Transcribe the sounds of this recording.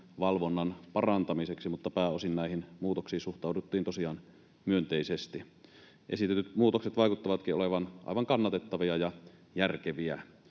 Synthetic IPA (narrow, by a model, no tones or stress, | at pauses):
ʋɑlʋonːɑnpɑrɑnt̪ɑmiseksimut̪ːɑpæːosinnæˑihinmuːt̪oksiːsuxt̪ɑˑudut̪ːiːnt̪osiɑːn | myønt̪eisest̪i | ʔesit̪et̪yt̪muːt̪okset̪ʋɑˑikut̪ːɑʋɑt̪kiʔoleʋɑnʔɑ̰ijʋɑŋkɑnːɑt̪et̪ːɑʋiɑjɑ | jærkeʋiæ̰